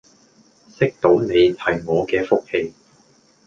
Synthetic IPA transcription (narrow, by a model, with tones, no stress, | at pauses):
sɪ˥k̚t̪o˨˥wne˨˧jhɐ˨jŋɔː˨˧kɛː˧fʊ˥k̚he˥˧j